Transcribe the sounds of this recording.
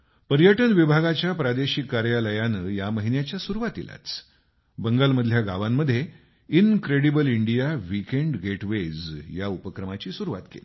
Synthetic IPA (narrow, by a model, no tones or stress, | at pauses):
pəɾjəʈənʋibʱaɡat͡ɕjapɾad̪eɕikːaɾjaləjanəːjaməɦinjat͡ɕjasuɾuʋat̪ḭla̰t͡s | bəŋɡalməd̪ʱljaɡaʋamːəd̪ʱːje | inkɾeɽibəliɳɖijaʋikeɳɖɡeʈʋed͡zjaupəkɾəmat͡ɕiːsuɾuʋa̰t̪kḛli